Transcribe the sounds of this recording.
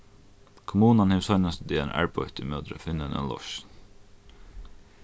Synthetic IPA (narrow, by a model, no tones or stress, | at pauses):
kʰʊmuːnanhɛʋsɔʏnast̪d̪iːɛnæ̰ːɹpʰɔʏt̪ɪmœːd̪ɾə̰fɪnːənʔɛ̰nlɔ̰ʃn